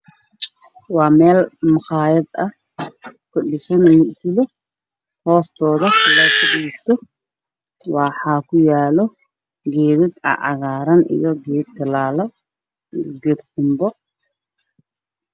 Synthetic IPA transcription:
wɑːmɛːlmʊχɑːjɐd̪ɐh | kʰʊɖɪsɐnmʊɡʊlɔ | hɔːst̪ʰɔːðɐɪlaːjkʰɐʔist̪ʰɔ | wɑħɑːkʰʊjaːlɔ | ɡɛːðɪd̪ɐ̰ʔɑ̰ɣaːɾɐnḭjɔɡɛːd̪t̪ʰːɐlaːlɐ | ijɡɛːd̪ħʊmbɔ

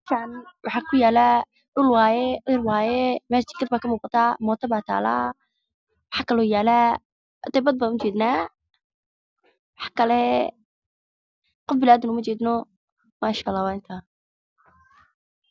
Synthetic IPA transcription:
kʰanwʔɑħɑkʰʊjaːla | ʔʊlwaːjɛʔɪrwaːjɛmaːt͡ʃ̪ʰɪkɐd̪̚baːkʰɐmuːqɑt̪ʰaːmɔːt̪ʰɐbaːt̪ʰa̰ːla̰ː | wɑħɑkʰɐlɔːjaːla | d̪ɛjbɐd̪̚baːnʊt͡ʃɛːd̪naː | wɑħɑ̥kʰɐlɛ | qɔfbɪlaːd̪ɪnʊmɐt͡ʃɛːd̪nɔ | maːʃaʔlːaːwaːɪnt̪ʰa

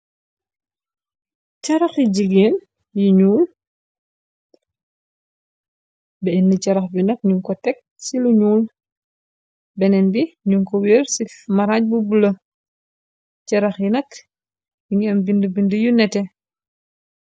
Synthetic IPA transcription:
cɐɾɐxjiɟiɡeːn | jiɲuːl | bɛinːicɐɾɐxbinɐk̚ɲuŋkɔtɛk̚ | siluɲuːl | bɛnɛnbiɲuŋkɔwiːrsimɐɾaːɲ̚bubulɐ | cɐɾɐxjinɐk | jiŋɛmbindəbindəjunɛtɛ

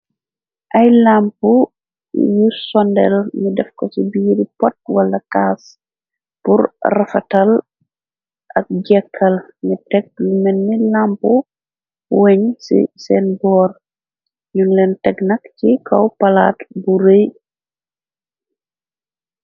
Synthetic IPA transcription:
ʔɐjlampu | jusɔndɛ̰lɲudɛfkɔsibiːɾipɔt̚wɐlːɐkaːs | puɾrɐfɐtɐl | ʔɐk̚ɟɛkʰːɐl | ɲutɛɡ̚lumɛnːilampu | wɛɲsḭsɛnbɔːr | ɲunlɛntɛɡnɐkcikʰɔwpɐla̰ːtbuɾej

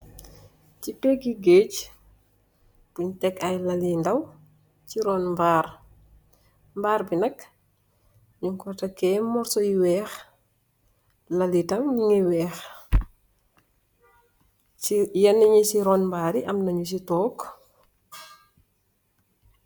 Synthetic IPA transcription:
cipɛɡiɡeːc | puɲtɛkɐjlɐlindɐw | ciɾɔːnmbaːɾ | mbaːɾbinɐk | ɲuŋkɔtɐkɛːmɔɾsɔjiwɛːx | lɐlitɐmɲiŋiwɛːx | ijɐnːiɲisiɾɔːnmbaːɾiʔɐmnɐɲus̬itɔːk

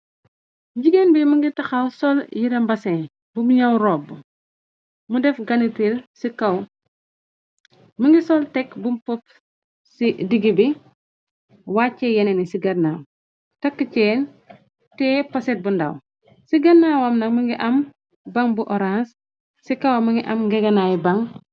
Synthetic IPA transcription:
ɟiɡenbiməŋɡitɐxɐwsɔljiɾɐmbɐsɛn | bumɲɐwɾɔːbːu | mudɛfɡɐnitilsikɐw | məŋɡisɔltɛkbumpɔp̚ | sidiɡibi | waːcːɛjɛnɛnisiɡɐnaw | tɐkːəcɛːn | tɛpɐsɛt̚bunda̰w | siɡɐnawɐmnɐkməŋɡiʔɐm | bɐŋbuʔɔɾans | sikɐwɐməŋɡiʔɐmɡɛɡɐnaːjibɐŋ

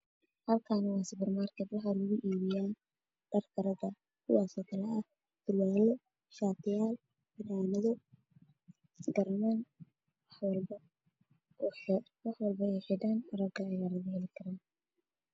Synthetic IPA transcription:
hɐlkʰaːnwɑːsɪbɪrmaːrkʰɛd̪wɑħɑːlʊɣʊʔiːβɪjaːn | ɖ̥ɐrkʰɐɾɐðɐ | kʰʊ̰wɑːsɔːkʰɐlɛɐ | d̪̥ʊlaːlɔ | ʃaːt̪ʰɪjaːl | bɪdaːnɐðɔ | ɡɐrman | wwlbɐ | wɑħwɐlbɐɛjħɪɖaːnrɐɡɐɛjalɐɣʊhɛlɪkʰɐɾaːn

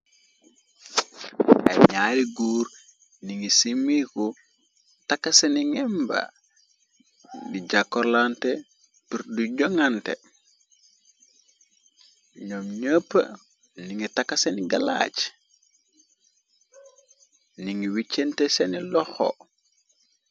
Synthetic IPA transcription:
ʔa̰jɲaːɾiɡuːɾ | niŋisimiku | takːaseniŋɛmba̰ | diɟakːoɾlante | piɾduɟoŋantḛ | ɲomɲəpːə̰ | niŋitakːaseniɡala̰ːt͡ʃ | niŋiwit͡ʃːentesenilɔxo̰

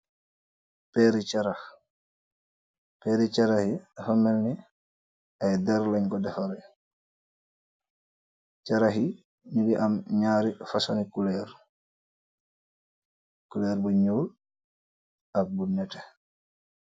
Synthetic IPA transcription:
pɛɾit͡ʃaɾa | pɛɾit͡ʃaɾahiafamɛlni | ajdɛɾlɛɲɡɔdɛfɔɾɛ | t͡ʃaɾaɦi | ɲiɡiʔamɲaːɾifasanikulɛɾ | kulɛɾbɔɲuːl | abunɲatɛ̥

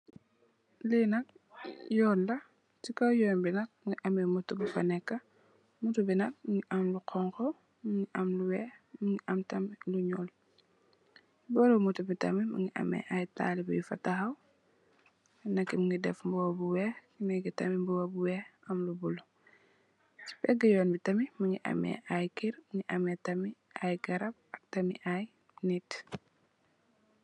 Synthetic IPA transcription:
linɐk̚ | jɔːlːɐ | tikɐwjɔnbinɐk̚ŋiʔɐmɛmutːubufɐnɛkːɐ | mutubinɐk̚ŋiʔɐmluqʰɔŋkɔ | mŋiʔɐmluwɛːxmuŋiʔɐmtɐmluɲɔl | bɔlomutubitɐmimṵŋiʔɐ̰mɛ̰ʔajta̰ːlibujfɐ̰tɐxɐw | nɐkːimuŋɡidɛfmbɔːbuwɛkinɛɡitɐmimbɔɐbuwɛɐmlubulɔ | t͡ʃi̥pɛɡəjɔːnbitɐmimuŋiʔɐ̰mɛ̰ʔajkiɾmuŋiʔɐmɛtɐmi | ajɡɐɾɐb̚ɐk̚tɐmḭʔaj | nit

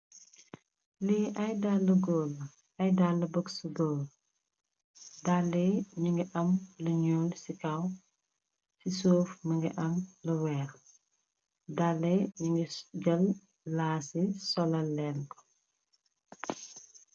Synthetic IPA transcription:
liʔɐjdalːɐɡɔːlː | ɐjdalːɐbəksuɡɔːl | dalːɛɲuŋɡɛʔɐmlɐɲoːlsikaw | sisoːfmɐŋɡɛʔɐmlɐwɛːɾ | dalːɛɲuŋɡɛɡɐlː | aːsisɔlɐlːɛlkɔ̥

